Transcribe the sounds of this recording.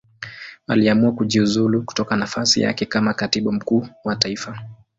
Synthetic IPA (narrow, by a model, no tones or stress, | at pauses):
aliamuakuʄiuzuluku̥tɔkanafasḭja̰kɛkamakatiɓum̩kuːwataifa